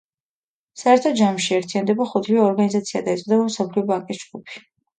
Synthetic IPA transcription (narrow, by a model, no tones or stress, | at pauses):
saɛɾt̪ʰɔd̪d͡ʒamʃiɛɾt̪ʰijand̪ɛbaχɔt̪ʰliɔɔɾɡanizat̪sʰiad̪aɛt̪sʼd̪ɛbam̩sapʰlɛɔbaŋkʼisd͡ʒɡupʰi̥